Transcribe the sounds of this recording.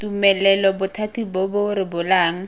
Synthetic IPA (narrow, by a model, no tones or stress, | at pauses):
tumɛlɛlɔbʊtʰatibɔbʊɾɪbʊlaːŋ̩